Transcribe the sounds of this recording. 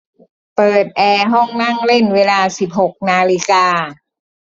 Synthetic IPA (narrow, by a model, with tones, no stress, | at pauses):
pɤː˨˩t̪̚ʔɛː˧ɦɔ˥˩ŋna˥˩ŋle˥˩nweː˧laː˧si˨˩p̚ho˨˩k̚naː˧li˧˥kaː˧